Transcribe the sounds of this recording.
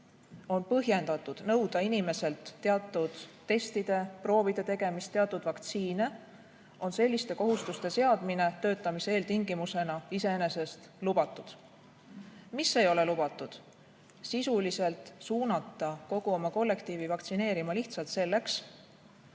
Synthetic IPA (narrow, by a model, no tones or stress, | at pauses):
o̞npɤɦje̞nd̪̥ɑt̪ːˑud̪̥nɤwd̪̥ɑinime̞se̞lt̪ːe̞ɑt̪ːˑud̪̥ːe̞st̪id̪̥e̞pro̞ːvid̪̥e̞t̪e̞ɡ̥e̞mist̪ːeɑt̪ːˑud̪̥vɑkt̪siːne̞ | o̞nse̞lʲːist̪e̞ko̞ɦust̪ust̪e̞seɑd̪̥mine̞t̪ø̞ːt̪ːˑɑmiseeːlt̪iŋɡimuse̞nɑise̞ene̞se̞st̪ | lub̥ɑt̪ːˑud̪̥ | misːe̞jo̞le̞lub̥ɑt̪ːˑud̪̥ | sisulise̞lt̪ˑsuːnɑt̪ːˑɑko̞ɡ̥uo̞mɑko̞lːe̞kt̪iːvivɑkt̪sine̞ːɾimɑliht̪sɑlt̪se̞lːe̞ks